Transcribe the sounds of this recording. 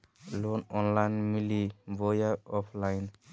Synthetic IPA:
lɔnɔnlajnmilibɔjaɔpʰlajn

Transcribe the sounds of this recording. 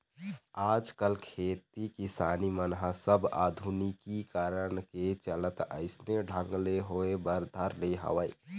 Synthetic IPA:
ad͡ʒkəlkʰet̪ikisanimənɦasəbʱa̰d̪ʱunikikaɾənket͡ʃələt̪ə̰ɪsneɖʱəŋɡleɦoebəɾd̪ʱəɾleɦə̰ʋəj

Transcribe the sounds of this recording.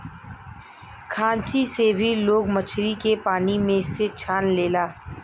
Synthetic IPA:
kʰãːt͡ʃisebʱiloːɡmɐt͡ʃʰɾikepaːnimẽɪset͡ʃʰaːnleːlaː

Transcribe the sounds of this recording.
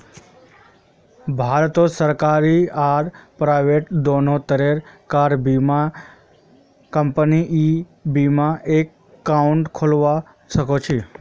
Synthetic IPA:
bʱaɾt̪osəɾkaɾiaɾpɾajʋeʈd̪onot̪əɾeɾkaɾbima | kəmpəniʔi | bimãʔekː | auɳʈkʰolʋa | ʃəkot͡ʃʰe

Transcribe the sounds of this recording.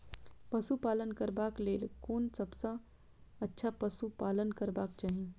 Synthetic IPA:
pɐsupaːlənkəɾbaːkleːlkoːnsɐbsã | ɐtːʃʰapɐsupaːlənkəɾbaːkt͡ʃaːɦĩ

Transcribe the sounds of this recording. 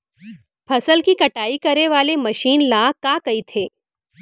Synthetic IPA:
pʰɐsəlkikɐʈaːikɐɾeʋaːlemɐʃiːnlaːkaːkɐit̪ʰeː

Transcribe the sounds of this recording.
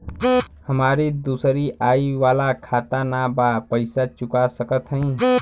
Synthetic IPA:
həmaɾid̪uːsɾiaːiʋaːlakʰat̪anabapəɪsat͡ʃʊkasəkət̪ɦə̃ĩ

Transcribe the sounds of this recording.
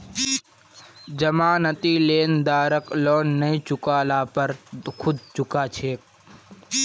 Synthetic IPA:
d͡ʒəmaːnət̪iːleːnd̪aːɾəkloːnːɐĩt͡ʃʊkaːlaːpəɾkʰʊd̪̚t͡ʃʊkaːt͡ʃʰeː

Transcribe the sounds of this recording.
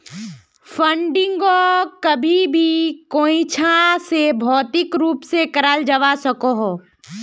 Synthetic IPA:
fʰə̃ɳɖɪ̃ŋɡokɐbʱibʱikoːĩt͡ʃʰãsebʱɔːt̪ɪkɾuːpsekɐɾaːld͡ʒɐʋasɐkoɦoː

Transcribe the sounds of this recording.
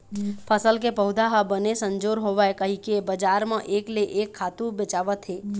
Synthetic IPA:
pʰəsəlk̬epəɦud̪ʱaɦabənesəɲd͡ʒoɾɦoʋajkəɦĩkebəd͡ʒaɾmãʔekleʔekʰːat̪ũbət͡ʃaʋət̪ʰɦe

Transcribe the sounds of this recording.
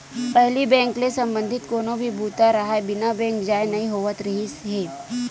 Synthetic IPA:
pɛɦlibɛ̃ːŋklesɐ̃mbə̃nd̪ʱɪt̪koːnobʱibʱuːt̪aɾɐɦaebɪnabɛ̃ːŋkd͡ʒaːjnɐĩɦoːʋət̪ɾɐɦisɦeː

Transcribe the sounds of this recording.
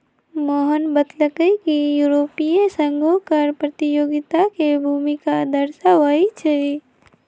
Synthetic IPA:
mɔɦənbət̪ləkəkijuːɾoːpijẽsə̃ŋɡʱõkɐɾpɾɐt̪ɪjoːɡɪt̪akebʱuːmikad̪ɐɾsaʋait͡ʃʰe

